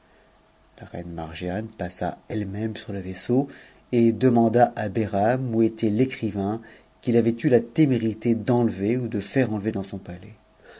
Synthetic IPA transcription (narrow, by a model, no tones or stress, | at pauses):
laʁɛ̰nma̰ʁʒjanpasa̰ɛlmɛmsyʁləveso | ed̪əmɑ̃d̪aʔabeʁamuet̪ɛlekχivɛ̃ | kʲilavɛt̪ylat̪emeʁit̪ed̪ɑ̃lveud̪əfɛʁɑ̃lved̪ɑ̃sɔ̃palɛ